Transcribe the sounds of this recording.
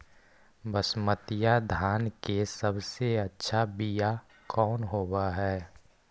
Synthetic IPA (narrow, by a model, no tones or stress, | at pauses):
bəsmət̪ɪjad̪ʱaːnkesəbseɐtːʃʰabija | kʰɔːnɦoːbaɦɛː